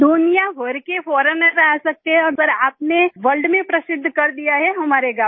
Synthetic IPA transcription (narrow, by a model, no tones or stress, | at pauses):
d̪ʊnijaʋəɾkefʰɔːɾənɾɛɦsɐk̚t̪eɦɛ̃ɔːɾsəɾaːpneʋəlɖmẽpɾɐsɪd̪ʱːkɐɾd̪ijaɦɛɦɐmaːɾeɡaː